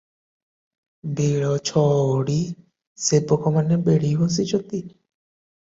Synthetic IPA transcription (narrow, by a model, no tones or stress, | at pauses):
beɭɔt͡ʃʰɔɽi | sepɔkʰɔmanebeɽiɦos̬it͡ʃʰɔt̪i